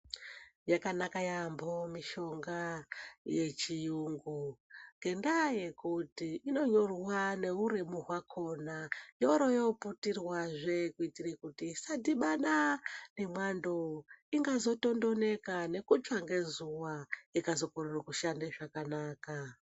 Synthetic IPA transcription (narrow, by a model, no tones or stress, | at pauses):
jakanakajambomiʃo̞ŋɡaje̞t͡ʃijuŋɡuŋɡe̞ndaje̞kutiʔino̞ɲo̞rwane̞uɾemuɦwakʰo̞najo̞ɾo̞joputirwaʐe̞kuitirekutisadiɓaɗane̞mwando̞iŋɡazo̞to̞ndo̞ne̞kane̞kut͡ʃwaŋɡe̞zuwaikazo̞kororakuʃandeʐakanaːka